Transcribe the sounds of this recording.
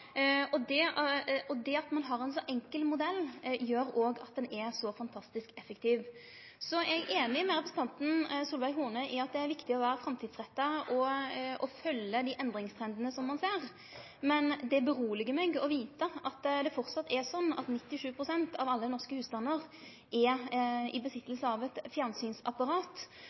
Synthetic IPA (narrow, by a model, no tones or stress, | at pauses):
ɔd̪ɛɔd̪ɛɑt̪mɑnɦɑɾɛnsɔʔɛŋkəlmʊd̪ɛlːjøːɾoːɡɑt̪̚d̪ɛnɛsɔfɑnt̪ʰɑst̪ɪskɛfəkt̪ʰiːʋ | sɔɛɡeːnɪmɛɾɛpɾəsn̩t̪ɑnt̪n̩suːlʋæɪɦuːnəʔɪɑt̪̚d̪ɛæɾʋɪkt̪ɪɔʋæːɾəfɾɛmt̪ʰiːd̪sɾɛt̪ːəʔɔɔfœlːəd̪iʔɛnd̪ɾɪŋst̪ʰɾɛnd̪ənəsɔmːɑnseːɾ | mɛnd̪ɛbəɾuːlɪɡəmɛɡɔʋiːt̪əʔɑt̪ːd̪ɛfɔʁt̪sɑt̪ːɛsɔnːɑ̰t̪nɪt̪ːɪʂʉːpʰɾʊsɛnt̪ʰɑʋɑlːənɔʁskəhʉːst̪ɑnːəʁ | ʔɛɪ̰bəsɪt̪ːəlsəɑʋɛt̪fjænsyːnsɑpːɑɾɑːt̪